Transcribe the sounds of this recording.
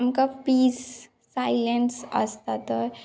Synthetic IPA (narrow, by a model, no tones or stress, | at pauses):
mkapiːsː | ailensə̰st̪at̪ɔ